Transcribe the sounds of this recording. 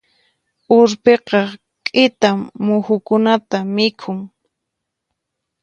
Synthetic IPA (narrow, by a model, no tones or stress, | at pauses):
ʊɾpeqɑ | kʼɪt̪amːʊxʊkʊnat̪amɪkʰʊŋ